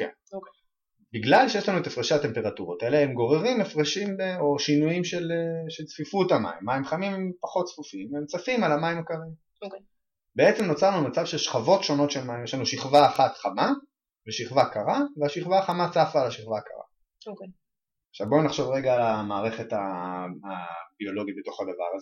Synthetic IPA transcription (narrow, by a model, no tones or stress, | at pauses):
kḛn | biɡlalʃejelanuetafʁeʃate̞mpe̞ʁatuʁot̪eleemɡo̞ʁe̞ʁimefʁeʃimbeo̞ʃinujimʃeleʃelt͡sfifutama̰ḭmːaimχamimempaχo̞tsfufiimemt͡safimalamaimakaʁeɡa | beet͡semnot͡saʁnumat͡savʃeʃχavo̞tʃo̞no̞tʃelmaimjɛʃlanuʃiχvaːχatχama | veʃiχvakaʁaveaʃiχvaːχamat͡safalaʃiχvaka̰ʁa̰ | χʃavbo̞naχʃo̞vʁeɡaːlamaːʁe̞χe̞taː | bio̞lo̞ɡit̚bet̪o̞χad̪ava̰ʁaze